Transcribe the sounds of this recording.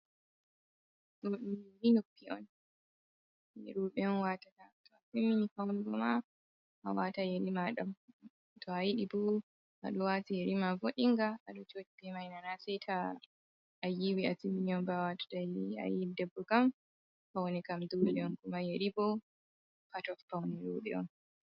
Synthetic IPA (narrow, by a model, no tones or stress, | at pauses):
sɔɗiɾinopʰːiɔ̰n | jɛ̰ɾuɓɛɔnwatatatʰɔasimːinikawnibɔma | ʔa̰watajeɾimaɗam | tɔajiɗibɔ | ʔa̰ɗɔwatijeɾimavoɗiŋɡaaɗɔt͡ʃot͡ʃibɛmajnanasɛjtʰaː | jiwiasimːiniɔnbawatḁtaja̰jiidɛbːɔkam | pawnɛkamdulɛɔnkumajeɾibɔ | patɔfpawniɾuɓɛ̰ɔ̰n